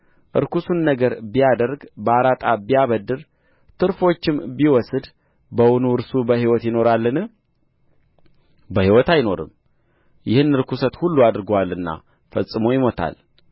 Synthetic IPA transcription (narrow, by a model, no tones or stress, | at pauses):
ʔɨ̰ɾkusunːəɡəɾbijad̪əɾɡbəaɾat̪ʼabijaβəd̪ːɨɾ | t̪ʰɨɾfo̞t͡ʃːɪmbiwɔsɨd̪ | bəwʊnuɨɾsubəhiwɔt̪jɪno̞ɾalːɨnɨ | bəhiwɔt̪ajno̞ɾɨ̰m | jɪhɨnːɨɾkusət̪hulːuad̪ɨɾɡowalːɨnːa̰ | fəsʼːɨmojɪmo̞t̪ʰa̰l